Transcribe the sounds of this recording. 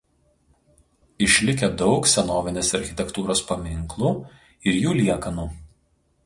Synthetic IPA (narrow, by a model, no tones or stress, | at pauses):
ɪʃʲlʲɪkʲɛd̪ɒʊksʲɛnoːʋʲɪnʲeːsɐɾʲxʲɪt̪ʲɛkt̪uːɾoːspɐmʲɪŋklˠuː | ɪɾjuːlʲiɛkɐnuː